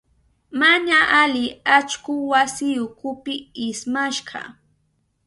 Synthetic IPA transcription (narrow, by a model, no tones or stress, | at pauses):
maɲaʔalɪat͡ʃkʊwasɪjʊkʊpɪɪsmaʃɢɑ̰